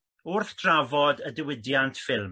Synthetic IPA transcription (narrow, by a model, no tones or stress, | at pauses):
ʊrθd̥ravɔdədəwɪdjantʰfɪlˠm